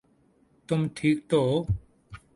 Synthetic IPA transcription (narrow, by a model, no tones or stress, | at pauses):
t̪ʊmʈʰiːk̚t̪oː